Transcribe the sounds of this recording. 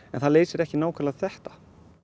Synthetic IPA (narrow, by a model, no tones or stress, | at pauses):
ɛnθaðleːjsɪɾɛhcɪnaːwkʰalaɣθɛht̪ḁ